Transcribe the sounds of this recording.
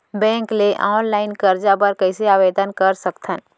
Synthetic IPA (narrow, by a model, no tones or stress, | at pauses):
bɛ̃ːŋkleʔaːnlaːɪnkəɾd͡ʒabəɾkəɪseaːʋed̪ənkəɾsəkt̪ʰən